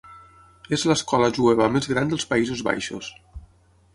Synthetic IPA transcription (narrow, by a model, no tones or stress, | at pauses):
ezləskɔləʒueβəmezɣɾand̪əlˠspəizozβa̰jʃo̰s